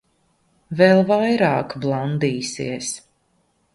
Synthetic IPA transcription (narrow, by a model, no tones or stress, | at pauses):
vɛlˠvajɾɑːkblˠand̪iːsḭɛs